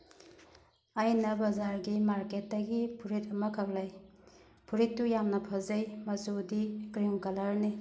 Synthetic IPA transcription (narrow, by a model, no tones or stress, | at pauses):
ajnɐbɐzaɾɡimaɾket̚dɐɡipʰuɾit̚ɐmɐkʰɐk̚laj | pʰuɾitːujamnɐpʰɐzɐjmɐsudiɡɾiŋkɐlɐɾni